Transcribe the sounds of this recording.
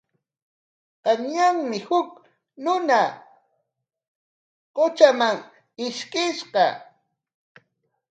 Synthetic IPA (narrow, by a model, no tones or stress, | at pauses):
qɑɲɲaŋmɪhʊk | nʊna | qʊt͡ʃamaŋ | ɪʃkʼɪʃqɑ